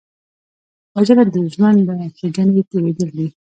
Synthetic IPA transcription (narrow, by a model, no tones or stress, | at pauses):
ad͡ʒaɾad̪əʒwand̪axeɡanet̪ewed̪əld̪i